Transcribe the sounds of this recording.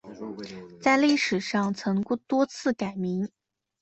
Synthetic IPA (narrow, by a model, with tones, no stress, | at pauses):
t͡sa˥˧ɪli˥˩ʂɻ̩˨˩ʂɑ˥˩ŋt͡sʰɤ˧˥ŋku˥˧t̪wɔ˥t͡sʰɹ̩˥˩ka˨˩ɪmi˧˥ŋ